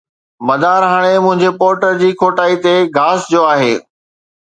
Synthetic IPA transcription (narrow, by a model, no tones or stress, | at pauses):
mɐd̪ʱaɾɦaɽ̃emʊ̃ɦɪ̃ɲd͡ʑepoːɾʈəɾd͡ʑiːkʰoːʈaːit̪eɡʱaːsd͡ʑoaːɦeː